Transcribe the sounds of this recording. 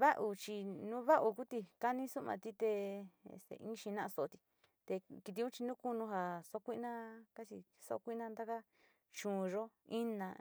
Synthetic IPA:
βa˦ʔu˧t͡ʃi˧nũ˦βa˦ʔu˧ku˦t̪i˧ka˦nĩ˦su˦mã̰˧t̪i˧t̪e˧ḛ˧˨sḛ˧ʔĩ˦ʃi˧nã˦ʔso˧˨o˧t̪i̥˧ | t̪e˧ki˧t̪̬i˧ũ˦t͡ʃi˧nũ˦ku˦nũ˧ɦa˧so˧˦˧kʷi˦˧nã˦ka˦t͡ʃi˧ | so̰˧kʷi˦nã˦nd̪a˦ka˦ | t͡ʃũː˨˧ʒo˦ĩ˦nã˧

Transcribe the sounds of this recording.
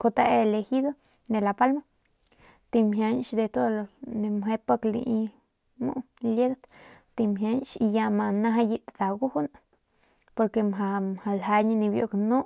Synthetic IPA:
ko˧t̪a˦˧ele˧hi˦d̪o˦ | d̪e˨la˨pa˦lma˦ | t̪i˧mɦja˧nʃd̪e˨˧t̪o˦lone˧mɦe˧˦pa˦klḭ˧ʔi˧ | mṵ˦ | le˦d̪o˦t̪t̪i˧mɦja˧nʃi˧ja˧ma˧na˦ɦa˧ji˧t̪d̪a˨ɡu˦hu˦na | po˧ɾke˧mɦa˧˨mha˨lɦa˧ɲi˧ni˧bjo̰˧kno˦

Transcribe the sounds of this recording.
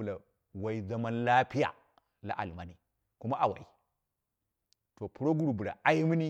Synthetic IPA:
la˨ | wa˨i˨za˦ma˦nla˦pi˦ja̰˨ | la̰˦ʔa̰˨lma˨ni˨ | ku˦ma˦ʔa˨wa̰˨i˨ | to˨pu˦ɾo˦ɡu˦ɾu˨bu˨la̰˨a˦ji˦mi˦ni˦

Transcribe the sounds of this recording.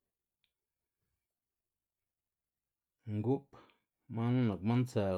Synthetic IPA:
ŋɡu˦p | mã˦nũ˦nã˨k̚mã˦nt͡saː˨

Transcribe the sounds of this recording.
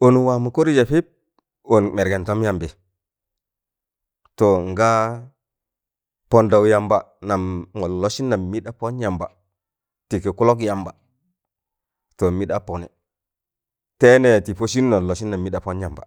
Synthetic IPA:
o˨nu˨wa˨mu˨ko˦ɾi˦d͡ʒa˨pi˦p̚ | o˨nme˨ɾɡe˨nto˦mja˨mbe˨ | to˨ŋɡa˦ | po˨nda˨wja˨mba˨na˨mŋo˨lo˦si˦nːa˨mmi˦ɗa˦po˦nja˨mba˨ | ti˨ki˨ku˦lo˦k̬ja˨mba˨ | to˨mi˦ɗa˦po˨nḛ˨ | te˦ne˨ti˨po˦si˦n˦no˨lo˨si˦nːa˨mːi˦ɗa˨po˦nja˨mba̰˨

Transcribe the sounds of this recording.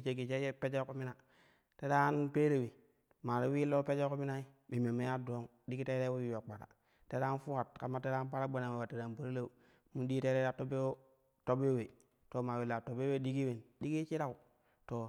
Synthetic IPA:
t͡ʃe˨ɡi˨t͡ʃe˦je˦pe˦d͡ʒe˦ko˦mi˦na˨ | te˦da˦npe˦ɾe˨wi˨ | ma˨ɾi˦wi˦lo˦pe˦d͡ʒe˦ko˦mi˦na˦i˦bi˨me˨me˦ja˦do˦ŋ | di˦ki˦te˦ɾe˦wo˦wi˨wa˨k͡pa˨ɾa̰˨ | te˦ɾa˦n˦fu˦ka˨tka˨ma˦te˦ɾa˦npa˦ɾa˦ɡ͡ba˨na˨we˨a˨te˨da˨nbu˨ɾa˦le˦u˨ | mu˦di˦te˦ɾe˦ɾa˦to˦be˦o˦ | to˦be˦we˨ | to˨ma˨wi˨la˨to˨be˦we˦di˦ɡi˦we˨ndi˦ɡi˦t͡ʃi˦ɾa˦u˨ | to˨

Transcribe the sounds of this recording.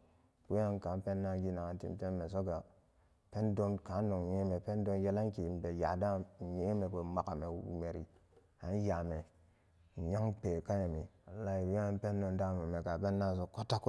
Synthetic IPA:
wu˦a˦ŋ˦ka˨˦m˦pe˦nːa˦ɡi˦na˨ŋa˨n˦tḭ˨mte˦mme˨so˦ɡa˨ | pe˦ndo˦nka˨˦n˦no˨ŋ˨ɲe˦me˨pe˦n˦do˦nje˦la˦ŋ˦ki˨m˨be˨ja˨da˦˨je˦me˨ke˨ma˨ka˨me˨˦ṵ˨me˨ɾḭ˨ | a˨n˦ja˨me˨ | ja˦ŋpe˨ka˦ja˨mi˨ | a˨la˦i˨wa˦pe˦nː˦o˨nda˦˨mu˨me˨ɡa˨pe˦nːa˦˨s̬o˦ko˦tːa˦k

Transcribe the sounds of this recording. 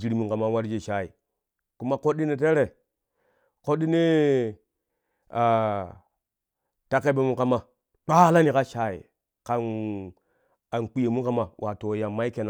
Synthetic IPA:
zi˦ɾi˦mu˨˦ka˨ma˦wa˦ɾd͡ʒe˦˨ʃa˦i˨ | ku˦ma˦ko˦ɗi˦ne˨t̬e˦ɾe˨ | ko˦di˦ne˦ | a˨ | ta˦ke˦be˦mu˦ka˦ma˨ | k͡pa˦la˦ni˨ka˦ʃa˦ḭ˨ | ka˨n | a˨nk͡pi˦je˨mu˦ka˦ma˨wʔa˨to˨ja˨mːa˦i˦ke˨na˨

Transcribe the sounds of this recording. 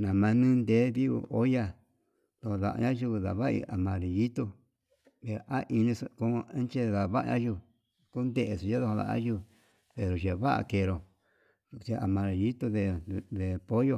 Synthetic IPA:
nã˨mã˧nĩ˦nd̪e˨˦βi˦ṵ˧ʔo˦ja˦ | ð̥o˧ho˧ða̰˧ʔɲã˦ʒu˦˧ða̰˨βa˦˧ḭ˧a˨mã˨ɾi˨ji˦t̪u˧ | pe˨ɾo˨ʔa˦ʔi˧nĩ˧su˧ko˧˦˧ẽ˦n˦t͡ʃe˦˧ða˨βa˦ʔɲã˦ʒu˧ | ku˦nd̪e˦ʔe˨su˨˧a˦ðo˧ho˧ða̰˧˨ã̰˦ʒu˧˨ | pe˨ɾo˨ʒe˨˧βa˦ʔa̰˧ke˧˨ɾo˨˧ | t͡ʃe˧a̰˨mã˧ɾe˨ji˦t̪u˧ðe˧ðe˨po˦jo˧˨

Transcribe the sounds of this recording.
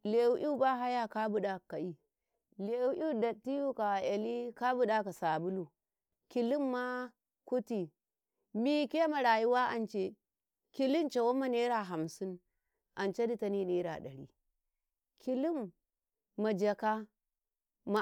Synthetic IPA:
le˨wu˦ʔi˦u˦ba˦ɦa˦ja˦ka˦bu˦ɗa˨kːa˨i˦ | le˨wu˦ʔi˦da˨tːi˦ju˦ka˨ja˨li˦ka˦bu˦ɗa˦ka˨sa˨bu˦lu˨ | ki˨li˦mːa˦ | ku˦ti˨ | mi˦ke˦ma˨ɾa˨ji˦wa˦ʔa̰˨nt͡ʃe˦ | ki˦li˦nt͡ʃa˨wo˦ma˦ne˦ɾa˦˨ɦa˨msi˦n | ʔa˨nt͡ʃa˦di˦ta˦ni˦ne˦ɾa̰˨ɗa˨ɾḭ˦ | kʰi˦li˦mː | a˨d͡ʒa˨ka˦ | ma˨

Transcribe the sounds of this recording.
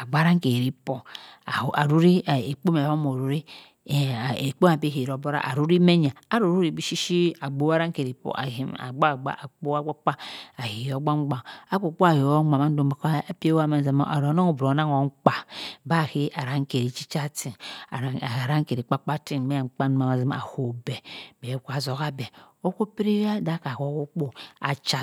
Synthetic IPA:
a˨ɡ͡ba˦ɾa˦ŋ˦ke˨ɾi˦po˨a˨a˨ɾu˦ɾi˦˨e˨k͡po˦me˨o˦mo˨ɾu˨ɾi˦˨ | e˨k͡po˦a˨pe˦hi˨ɾo˨bo˦ɾa̰˦ʔa̰˨ɾu˦ɾi˦me˦ɲ˨a˨a˨ɾu˨ɾu˦ɾi˨bi˦ʃi˦ʃi˦a˨ɡ͡bo˦a˦ɾa˦ŋ˦ke˨ɾi˨po̰˨ʔa̰˨hi˨ma̰˨ɡ͡ba˦˨ɡ͡ba̰˦ʔa˨k͡po˦a˦ɡ͡ba˦k͡pa˦a˨hi˨o˨˦ɡ͡ba˦ŋ͡mɡ͡ba˨a˦k͡po˨˦k͡po˦a˨hi˨˦ma˨ma˦n˦do˦m˦a˨kpi˦e˦wa˦ma˦n˦za˨ma̰˨ʔa˨ɾo˨˦no˦ŋo˨bɾo˨˦na˦ŋo˨˦ŋ͡m̩˦k͡pa˨ba˦˨hi˦ʔa˨ɾa˨ŋ̩˦ke˨ɾi˨t͡ʃi˦t͡ʃa˦ti˨ | a˨ɾa˦ŋ̩˦ke˨ɾi˨k͡pa˦k͡pa˦ti˦n˨me˦˨ŋ͡m̩˨k͡pa˦n˦ma˨ma˨zi˦m˦˨a̰˨ho˨be˨be˨˦ka˨zo˨ka˦be˨ | o˦ko˦pi˦ɾi˦ja˦da˦ka˨ho˨˦ko˦k͡po˦a˨t͡ʃa˦

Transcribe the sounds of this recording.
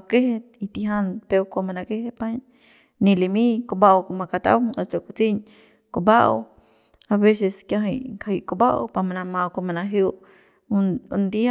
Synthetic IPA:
ake˦he˧t̪̚i˧t̪i˧ɦa˧npe˧kʷa˧ma˧na˧ke˦he˦pa˦ɲ | nĩ˧li˧mĩ˦ko˧ba˦ʔwko˧ma˧ka˧t̪a̰˦wʔa˨t͡so˧˨ku˧t͡si˦ɲ | ko˧˨ba˦ʔ | a˧be˦se˧skja˧ɦi˧jkai˧ʔko˧ba˦ʔpa˧ma˧na˧mã˧wko˧ma˧na˧ɦju˧ʔ | u˧nd̪i˦a˦

